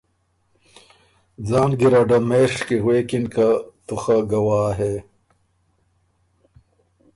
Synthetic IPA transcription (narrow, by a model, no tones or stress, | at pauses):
d͡zaːnɡiɾɐɖɐmeːʂkiɣweːkinkat̪uxɐɡɐwaːɦe